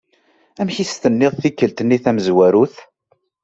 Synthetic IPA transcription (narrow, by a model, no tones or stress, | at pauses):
æmçist̪ənːɪðˤθikːəlt̪ənːiθæməzwæɾuθ